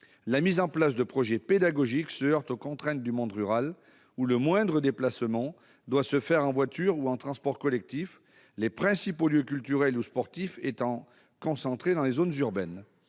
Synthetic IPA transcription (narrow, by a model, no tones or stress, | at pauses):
lamizɑ̃plasd̪əpχɔʒɛped̪aɡɔʒiksəœʁt̪okɔ̃t̪χɛ̃t̪̚d̪ymɔ̃d̪ʁyʁal | uləmwɛ̃d̪ʁəd̪eplasmɑ̃ | d̪wasəfɛʁɑ̃vwat̪yʁuɑ̃t̪χɑ̃spɔʁkɔlɛk̚t̪if | lepχɛ̃sipoljøkʲylt̪yʁɛluspɔʁt̪ifet̪ɑ̃ | kɔ̃sɑ̃t̪χed̪ɑ̃lezonzyʁbɛn